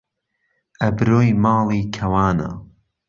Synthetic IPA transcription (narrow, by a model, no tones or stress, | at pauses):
ʔɐbɨɾoːjmɑːlˠiːkʰɐwaːnɐ̰